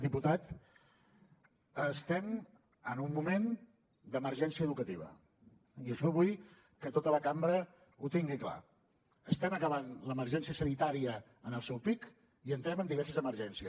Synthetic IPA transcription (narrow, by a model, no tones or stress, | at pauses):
d̪iput̪at̪ | əst̪ɛm | ənumːumen | d̪əməɾʒɛnsiəːðukət̪iβ̞ə̰ | iəʃɔβuj | kət̪ot̪ələkambɾə | ut̪iŋɡikla̰ | əst̪ɛməkəβ̞anləməɾʒɛnsiəsənit̪aɾiəː | nəlˠsɛwpik | iənt̪ɾɛmənd̪iβɛɾsəzəməɾʒɛnsiə